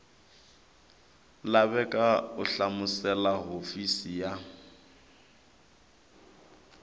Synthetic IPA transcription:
laβɛkʼaʊɬamʊsɛlaɦofisija

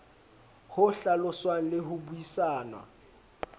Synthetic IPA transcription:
hʊɬalɔswan̩lehuɓujisaːnwa̰

